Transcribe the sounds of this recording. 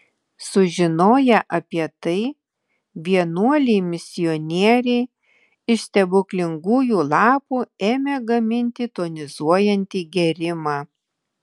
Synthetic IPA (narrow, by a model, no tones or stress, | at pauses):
sʊʒʲɪnoːjɛʔɐpʲiɛt̪ɐɪ | ʋʲiɛnuɔlʲɛɪmʲɪsʲɪjɔnʲiɛɾʲɛɪ | ɪʃsʲt̪ʲɛbʊklʲɪŋɡuːjuːlˠɑːpuːeːmʲeːɡɐmʲɪnʲt̪ʲiːt̪oːnʲɪzuɔjɛnʲt̪ʲiːɡʲɛɾʲɪmɑː